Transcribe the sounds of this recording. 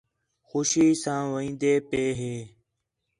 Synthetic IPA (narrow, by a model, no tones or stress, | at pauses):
xuʃiːsãːʋəĩːnd̪eːpeːɦeː